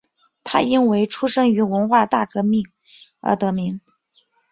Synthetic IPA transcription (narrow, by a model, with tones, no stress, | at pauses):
t̪ʰa̰˥i˥nwe˧˥ɪʈ͡ʂʰu˥ʂɤ˥ŋy˧˥wə˧˥nxwa˥˧t̪a˥˩kɤ˧˥mi˥˩ŋ | ə̰˞˧˥t̪ɤ˧˥mi˧˥ŋ